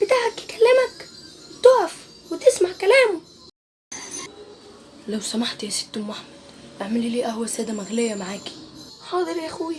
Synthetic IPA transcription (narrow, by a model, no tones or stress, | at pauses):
b̥ɪt̪aʕakːkalːɪmækt̪oːʕɑf | wɪt̪ɪsmaʕkælæːmʊm | lawsamaħt̪jasɪ̥t̪ːʊmːaħmad̪ʔaʕmɪlːiliːʔaɦwæsæːd̪amaɣlɪjːamaʕaːki̥ħɑːðˤɨɾʔaxuːi